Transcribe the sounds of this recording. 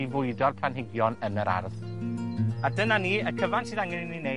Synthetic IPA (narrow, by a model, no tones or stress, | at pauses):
ivʊɨdɔrpʰlanɦɪɡjɔnənəɾʔa̰rθ | adənaniːəkʰəvantʰiːðaŋɛnɪnline